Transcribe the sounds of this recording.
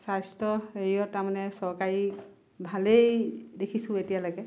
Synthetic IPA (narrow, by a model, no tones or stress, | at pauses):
sajstɔejɔɹtaɹmanɛsɔɹkaɹi | bʱalejdekʰisʊ̃etijalojɡɛ